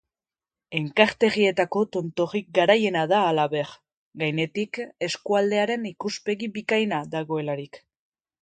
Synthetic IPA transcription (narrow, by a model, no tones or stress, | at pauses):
e̞ŋkaɾt̪e̞ɣie̞t̪ako̞t̪o̞nt̪o̞ɣik̚ɡaɾaje̞naðaːlaβe̞ɾ | ɡajne̞t̪ike̞skuald̪e̞aɾe̞nikuspe̞ɣiβikajnaðaɣo̞e̞laɾik